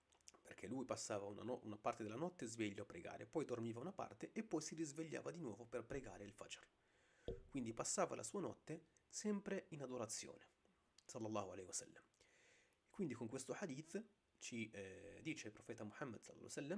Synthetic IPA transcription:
perk̟ʰelujpasːaːvauna̰nɔunapart̪ed̪elːanɔt̪ːezveʎːoapːɾeɡa̰ːɾʔḛpɔjd̪ormiːvaunapa̰rt̪eʔepːɔjsirizveʎːa̰ːvad̪inwɔːvoperpɾeɡaːɾeilfa̰d͡ʒer | kwind̪ipasːaːva̰lʔa̰suːanɔ̰t̪ːesɛmpɾeinad̪oɾat̪sːjo̰ːne | salːalːaːhoalɛjwasɛ̰lːam | ekwind̪ikoŋkwest̪oħad̪iːt̪θ | t͡ʃid̪iːt͡ʃeilpɾofɛːt̪amoħamːad̪salːa̰ːsɛlːəm

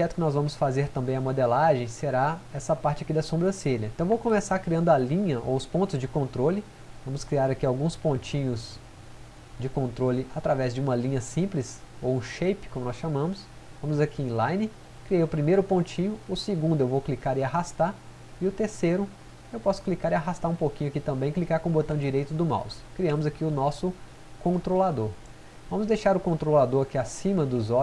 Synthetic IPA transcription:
kɛt̪ʊ̥kɪnɔzvɐ̃mʊsfazeɾt̪ɐ̃mbẽj̃ɐmod̪elaʒẽj̃seɾaɛsɐpaɾt͡ʃɪakid̪ɐsõbɾɐselɐẽt̪w̃vowkõmesaɾkɾiɐ̃nd̪ʊɐlĩɲɐʔo̰wʊspõnt̪ʊzd͡ʒɪkõnt̪ɾolɪ | vɐ̃mʊskɾiaɾakiawɡũspõnt͡ʃĩɲʊz | d͡ʒɪkõnt̪ɾolɪat̪ɾavɛzd͡ʒɪũmɐlĩɲɐsĩplɪsowũʃejpɪ̥kʰõmʊnɔsʃamɐ̃mʊs | vɐ̃mʊzakʰiẽj̃lajnɪ | kɾieɾʊpɾimejɾʊpõt͡ʃĩɲʊʊsɪɡũnd̪ʊewvowklikaɾɪaɦast̪aɾ | ɪʊt̪eɾsejɾʊ | ewpɔsʊ̥klikaɾɪaɦast̪aɾũpowkĩɲʊakit̪ɐ̃mbẽj̃klikaɾkõʊbot̪ɐ̃w̃d͡ʒiɾejt̪ʊd̪ʊma̰wskɾiɐ̃mʊzakiʊnɔsʊ | kõnt̪ɾolad̪oɾ | vɐ̃mʊzd̪ejʃaɾʊkõnt̪ɾolad̪oɾakiasĩmɐd̪ʊzɔ

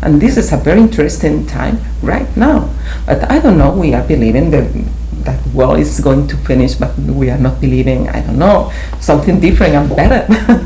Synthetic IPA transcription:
ʔə̰̃nðɪsɨsəvɛɹiɪ̃ntʰɹɛstɪ̃ŋtʰã̰ɪ̃m | ɹa̰ɪt̚naʊ | b̥ʌta̰jdõnːoʊwiaɹbilivɪ̃ŋðɨt̚ | ðɨt̚wɛlɪ̰sɡoɪ̃ŋtʰufɪ̃nɪʃbʌt̚wiaɹnɔt̚b̥ilivɪ̃ŋa̰jdõʊ̃nːoʊ | sʌ̃mθɪ̃ŋdɪfɹɨ̃nə̃nbɛɾə˞

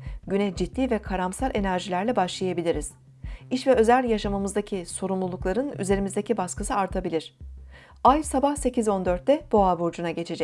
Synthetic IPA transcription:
ɟynɛd͡ʒit̪ːiːvɛkʰaɾamsalʲˠʔe̞næɾʒilʲæɾlʲɛbaʃlˠajabilʲiɾiz̥ | iʃvɛø̞zælʲjaʃamamɯzd̪acʰiso̞ɾumlˠulˠuklˠaɾɯny̰ze̞ɾimizd̪ecʰibaskɯsɯaɾt̪ʰabilʲiɾ̥ | ajsabahse̞cʰizo̞nd̪øɾt̪ːɛb̥oabuɾd͡ʒunaɟe̞t͡ʃʰe̞d͡ʒɛc

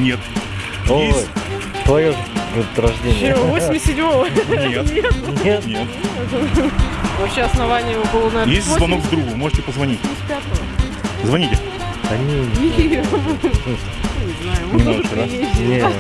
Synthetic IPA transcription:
nʲet̪ | o | t̪vɐjoʐɡ̪t̪ɾɐʐdʲenʲvosʲɪmʲɪsʲːɪdʲmovəenʲet̪ʲet̪nʲet̪ | vɐpɕeɐsnɐvanʲɪjəobɨlˠonɐjesʲt̪ʲzvɐnoɡvd̪ɾuɡʊmo̞ʐɨtʲɪpəzvɐnʲitʲuspʲat̪əvə | pzvɐnʲitʲɪ | ɐnʲinʲ | nʲɪznajʊmʲɪmojezʲe

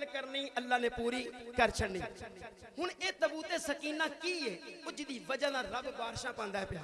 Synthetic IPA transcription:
lkəɾniːʔəlːaːnẽːpuːɾiːkəɾt͡ʃʰəɽiː | ɦʊɳeːt̪əbuːt̪eːsəkiːnãːkiːeːʊd͡ʒd̪iːʋəd͡ʒãːd̪ãːɾəbbaːɾʃãːpãːnd̪aːpɪ

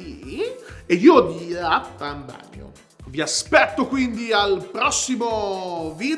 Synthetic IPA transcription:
i | eiːod̪iat̪ːamba̰ɲːo̰ | viaspɛt̪ːokwind̪ialpɾɔsːimoviː

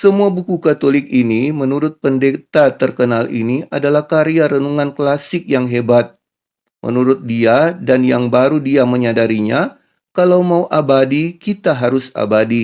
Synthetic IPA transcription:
səmuabukukat̪olɪk̚inimənuɾʊt̪̚pəndet̪at̪ərkənalḭniʔadalahkaɾiaɾənuŋanklasɪk̚jaŋɦebat̪̚ | mʔə̰nuɾʊt̪̚diadanjaŋbaɾudiaməɲadaɾiɲa | kalawmauʔabadikit̪aɦaɾʊsa̰badi

